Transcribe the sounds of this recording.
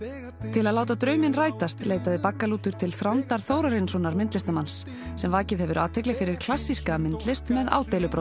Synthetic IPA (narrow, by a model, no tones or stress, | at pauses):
t̪ʰɪlaðlaːwt̪at̪ɾœːɥmɪnraːjt̪ast̪leːjt̪aðɪpakːaluːt̪ʏɾ̥t̪ʰɪlθɾawnt̪aɾ̥θoːwɾaɾɪnsɔnaɾmɪnt̪lɪst̪amans | sɛmvaːcɪðhɛvʏɾaːt̪ʰejklɪfɪɾɪɾ̥kʰl̥asːiskamɪnt̪lɪst̪mɛða̰ːwt̪ejlʏpɾo